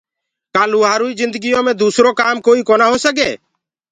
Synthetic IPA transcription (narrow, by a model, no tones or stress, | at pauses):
kaːluːɦaːɾuːiːzɪ̃nd̪əɡɪjõːmẽːd̪uːsɾoːkaːmkoːiːkoːnaːɦoːsəɡɛ̰ː